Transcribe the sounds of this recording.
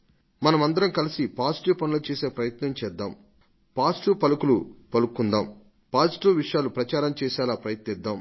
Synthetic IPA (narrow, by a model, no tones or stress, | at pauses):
mɐnɐmɐnd̪ɐɾɐmkɐlisipaːsʈuːpɐnulɐt͡ʃɛːseːpɾɐjɐt̪nɐmt͡ʃɛːd̪ːaːm | paːsʈuːpɐlukulupɐlukːund̪aːm | paːsʈuːʋiʂjaːlupɾɐt͡ʃaːɾɐmt͡ʃɛːʃaːlaːpɾɐjɐt̪nid̪ːaːm